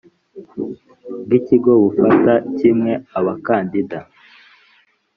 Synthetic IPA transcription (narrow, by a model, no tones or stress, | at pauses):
b̚ɡiciɡo̞βufatacimŋe̞aβakaːndida